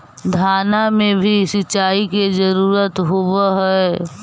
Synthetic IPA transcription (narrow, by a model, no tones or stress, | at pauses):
d̪ʱaːnamẽbʱisɪt͡ʃaːikezɐɾuːɾət̪ɦʊʋəɦɛː